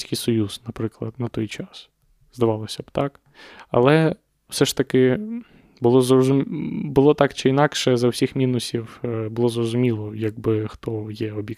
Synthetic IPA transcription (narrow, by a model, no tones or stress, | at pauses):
sʲkijsɔjuznɐpɾɪklˠɐ̰d̪nɐt̪ɔjt͡ʃɑs | zd̪ɐʋɑlˠɔsʲɐbt̪ɑk | ɐ̰lˠɛ | w̥sɛʃt̪ɐkɪ | bʊlˠɔzrɔzʊmʲbʊlˠɔt̪ɑkt͡ʃɪinɑkʃɛzɐwsʲixmʲinʊsʲiwbʊlˠɔzrɔzʊmʲilˠɔjɐɡ̚bɪxt̪ɔjɛɔbʲjɛk